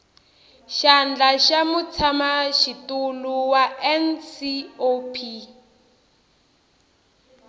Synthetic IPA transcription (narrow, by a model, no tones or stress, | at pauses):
ʃand͡ɮaʃamut͡sʰamaʃituluwaɛnsiopʰi